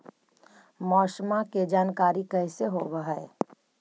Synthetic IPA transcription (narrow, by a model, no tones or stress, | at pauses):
mɔːʃmaked͡ʒaːnkaːɾikəːseɦobəɦae